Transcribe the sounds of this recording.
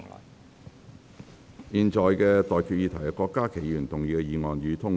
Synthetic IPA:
jiː˨nt͡ʃɔː˨jkɛː˧t̪ɔː˨jkʰyː˧t̚jiː˧t̪ʰɐ˨˩jkɔː˧kːaː˥kʰe˨˩jyː˨˩nt̪ʊ˨ŋjiː˨˧kɛː˧jiː˨˧ŋɔː˨njyː˨˧t̪ʰʊ˥ŋ

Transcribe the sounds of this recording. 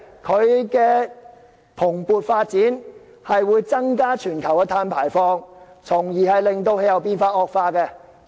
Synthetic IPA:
kʰɵ˨˧ɥkɛː˧ | pʰʊ˨˩ŋpuː˨t̚faː˧t̚t͡siː˨˥n | hɐ˨jwuː˨˧jt͡sɐ˥ŋkaː˥t͡ʃʰyː˨˩nkʰɐ˨˩wjɐ˥t̪ʰaː˧npʰaː˨˩jfɔː˧ŋ | t͡sʰʊ˨˩ŋjiː˨˩hɐ˨jlɪ˨ŋt̪o˧whe˨˧˥jɐ˨˧wpiː˥nfaː˧t̚ɔː˧k̚faː˧kɛː˧

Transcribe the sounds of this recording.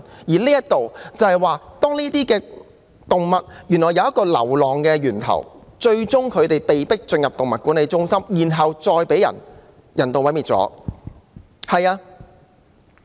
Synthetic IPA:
jiː˨˩liː˥jɐ˥t̪o˨wt͡sɐ˨˧hɐ˨jwaː˨˧t̪ɔː˥ŋliː˥t̪iː˥kɛː˧ | t̪ʊ˨ŋmɐ˨t̚jyː˨˩nːɔː˨˩jɐ˨˧wjɐ˥tkɔː˧lɐ̰˨˩wlɔː˨ŋkɛː˧jyː˨˩nt̪ʰɐ̰˨˩wt͡ʃɵ˧ɥt͡sʊ˥ŋkʰɵ˨˧ɥt̪e˨jpe˨jpɪ˥k̚t͡sɵ˧njɐ˨p̚t̪ʊ˨ŋmɐ˨t̚kuː˨˥nle˨˧jt͡sʊ˥ŋsɐ˥mjiː˨˩nɦɐ˨wt͡sɔː˧jpe˨˥jɐ̰˨˩n | jɐ˨˩nt̪o˨˧wɐ˨˥jmiː˨t̚t͡sɔ̰ː˨˥ | hɐ˨jaː˧

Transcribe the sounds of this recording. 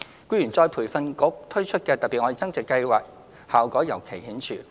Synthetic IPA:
kuː˥jyː˨˩nt͡sɔː˧jpʰuː˨˩jfɐ˧nkʊ˨˥k̚t̪ʰɵ˥ɥt͡ʃʰɵ˥t̚kɛː˧t̪ɐ˨k̚piː˨t̚ŋɔ˧˥i˨˧t͡sɐ˥ŋt͡sɛ˨kːɐ˧jwaː˨˩k̚ | haː˨˩wkɔː˨˥jɐ˨˩wkʰe˨˩jhiː˨˥nt͡ʃʰyː˨˩

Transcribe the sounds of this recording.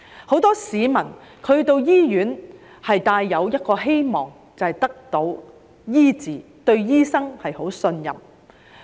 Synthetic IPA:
ho˨˥wt̪ɔː˥siː˨˧mɐ˨˩n | kʰɵ˨˧ɥt̪o˧wjiː˥jyː˨˥n | hɐ˨jt̪aː˧jːɐ˨˧wjɐ˥t̚kɔː˧ɦe˥jmɔː˨ŋ | t͡sɐ˨hɐ˨jt̪ɐ˥k̚t̪o˨˧w | jiː˥t͡siː˨ | t̪ɵ˧ɥjiː˥sɐ˥ŋhɐ˨jho˨˥wsɵ˧njɐ̰˨˩m

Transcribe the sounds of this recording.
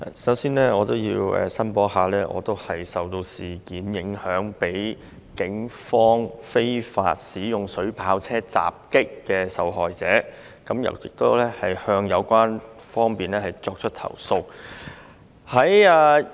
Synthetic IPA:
a̰˨sɐ˨˥wsiː˥nlɛː˥ŋɔː˨˧t̪o˥wjiː˧wɛ̰ː˨sɐ˥npɔː˨˥haː˨lɛː˥ʔɔ̰ː˨˧t̪o˥whɐ˨jsɐ˨wt̪o˧wsiː˨˩kiː˨˥njɪ˨˥ŋhœː˨˥ŋpe˨˥j | kɪ˨˥ŋfɔː˥ŋfe˥jfa̰ː˧t̚siː˨˥jʊ˨˩ŋsɵ˨˥ɥpʰaː˨˥wt͡sʰɛː˥t͡sa̰ː˨p̚kɪ˥kːɛː˧sɐ˨˥wɦɔː˨jt͡sɛː˨˥ | kɐ˨˥mjɐ̰˨˩wjɪ̰˨k̚t̪o˥wlɛː˥hɐ˨jhœː˧ŋjɐ˨˧wkʷaː˥nfɔː˥ŋpiː˨nlɛː˥hɐ˨jt͡sɔː˧k̚t͡ʃʰɵ˥t̚t̪ʰɐ̰˨˩wso˧w | hɐ˨˥jaː˧

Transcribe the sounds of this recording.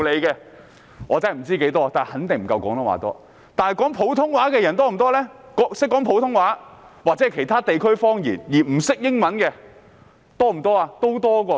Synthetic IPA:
le˨˧jkɛː˧ | ŋʔɔː˨˧t͡sa˥˨m̩˨˩t͡siː˥ke˨˥jt̪ɔː˥˨t̪aː˨hɐ˨˥nt̪ɪ˨ŋm̩˨˩kɐ˧wkɔː˨˥ŋnɔ˥wa̰ː˨˩t̪ɔ̰ː˥ | t̪aː˨nhɐ˨jkɔː˨˥ŋpʰo˨˥wt̪ʰʊ˥ŋwaː˨˥kɛː˧jɐ˨˩nt̪ɔː˥m̩˨˩t̪̬ɔː˥lɛː˥kɔ˨˥sɪ˥kːɔː˨˥ŋpʰo˨˥wt̪ʰʊ˥ŋwaː˨˥waː˨t͡sɛ˨˥˩kʰe˨˩jt̪ʰaː˥t̪e˨jkʰɵ˥ɥfɔː˥ŋjḭː˨˩njiː˨˩m̩˨˩sɪ˥k̚jɪ˥ŋmɐ˨˥nkɛː˧ | t̪ɔː˥m̩˨˩t̪ɔː˥aː˧t̪o˥wt̪ɔː˥kɔː˧

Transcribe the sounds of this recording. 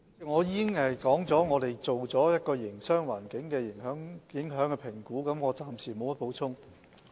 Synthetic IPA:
ŋɔː˨˧jiː˥kɪ˥ŋhɐ˨jkɔː˨˥ŋt͡sɔː˨˥ŋɔː˨˧ɾe˨jt͡so˨wt͡sɔː˨˥jɐ˥t̚kɔː˧jɪ˨˩ŋsœː˥ŋwa̰ː˨˩nkɪ˨˥ŋkɛː˧jɪ˨˩ŋɦœː˨˥ŋjɪ˨˥ŋɦœː˨˥ŋkɛ˧pʰɪ˨˩ŋkuː˨˥kɐ˨˧˥mŋɔː˨˧t͡saː˨msiː˨˩mo˨˧wmɐ˥t̚po˨˥wt͡sʰʊ˥ŋ

